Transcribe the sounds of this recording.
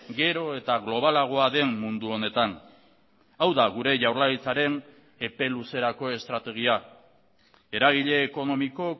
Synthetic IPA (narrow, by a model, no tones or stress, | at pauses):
ɡe̞ɾo̞e̞t̪aɣlo̞β̞alaɣ̞o̞aðe̞nmund̪uo̞ne̞t̪an | awðaɣuɾe̞ʝawɾlait͡saɾe̞n | e̞pe̞luse̞ɾako̞e̞st̪ɾat̪e̞ɣ̞ia | e̞ɾaɣ̞iʎe̞ːko̞no̞miko̞